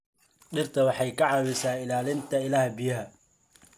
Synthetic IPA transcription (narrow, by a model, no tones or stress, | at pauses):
ɗɪrt̪ʰɐwɑħɑjkʰɐʕɑːwɪsaːɪlaːlɪnt̪ʰɐɪlæːhbijɐɦɐ